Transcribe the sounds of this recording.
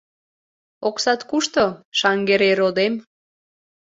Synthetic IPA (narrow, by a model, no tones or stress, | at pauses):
oksɑt̪kuʃt̪oʃɑŋɡeɾeɾod̪em